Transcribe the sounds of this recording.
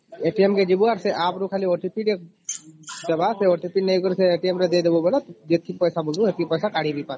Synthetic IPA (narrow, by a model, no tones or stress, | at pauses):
eʈiemked͡ʒibuaɾseʔaːpɾukʰaːlioʈipiɖek̚ | d͡ʒɐbaseoʈipiɖnejɡəɾseeːʈiemɾed̪ed̪ebobɔlat̪d͡ʒet̪̚kipɛjsabʊld̪ũet̪kipɛːsakaːɽibʱipat̪